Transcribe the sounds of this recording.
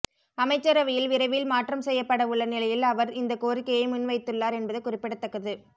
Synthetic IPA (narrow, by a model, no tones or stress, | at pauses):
ɐmɐɪt͡ʃːɐɾɐʋɪjɪlʋɪɾɐʋɪlmaːʈrɐmsɛjːɐpːɐɽɐʊɭːɐnɪlɐjɪlɐʋɐɾɪnd̪ɐkoːrɪkːɐjɐɪmʊnʋɐɪt̪ːɯɭːaːɾɛnbɐðɐɪkːʊrɪpːɪɽɐt̪ːɐkːɐðɯ